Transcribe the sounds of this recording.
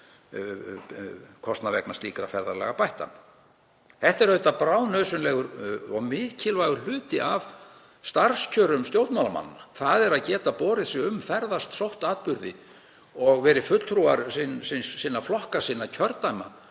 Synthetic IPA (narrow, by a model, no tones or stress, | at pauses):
kʰɔst̪navɛ̰knast̪iːkɾafɛɾðalɛ̰ɣapajht̪a̰ | ɛht̪ɛɾhœɥt̪apɾaːwnœːsʏnlɛːɣʏɾɔɣmɪːcʰɪlvajɣʏl̥ʏːt̪ɪʔav | st̪aɾ̥scʰœːɾʏmst̪jow̪t̪mawlama̰nːaθaðɛɾaðcɛːt̪apɔːɾɪðsɪʏmfɛɾðast̪sowht̪aːt̪̚pʏɾðɪ̰ | ɔɣvɛːɾɪfʏt̪l̥t̪ʰɾuːaɾsinsinssiːnaflɔhkasiːnːacʰœɾt̪ajma̰